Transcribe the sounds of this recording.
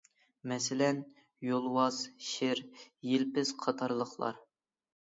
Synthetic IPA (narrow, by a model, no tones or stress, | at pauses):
mɛsɪlɛn | jolˠwɑz̥ʃɪɾjelpɪz̥qʰɑt̪ʰɑɾlˠəχlˠɑ̰ɾ